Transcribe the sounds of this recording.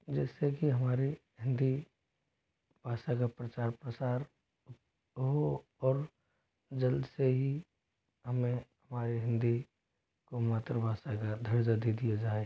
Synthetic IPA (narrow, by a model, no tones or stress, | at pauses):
d͡ʒɛːsekiɦəmaːɾi | ɦɪ̃nd̪i | b̥ʱaːʃak̬apɾət͡ʃaːɾpɾət͡ʃaːɾ | ɦo | ɔːɾ | d͡ʒəld̪seɦi | ɦəmẽɦəmaːɾiɦɪ̃nd̪i | komaːt̪ɾəbʱaːʃakad̪ʱəɾd͡ʒad̪id̪ijad͡ʒaːe